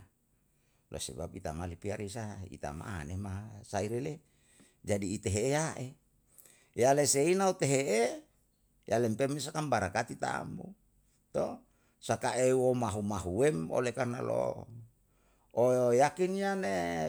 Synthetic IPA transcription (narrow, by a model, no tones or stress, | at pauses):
lʔo̰sḛbapit̪amalipiaɾisaḭt̪a̰ma̰nemasaiɾele | d͡ʒadiːt̪eɦeejaʔe | jaleseinaut̪eɦeʔe | jalempemesakambaɾakat̪it̪a̰mbṵ | t̪o | sakaʔewomaɦumaɦuemo̰lekarnalo̰ | ojojakinjane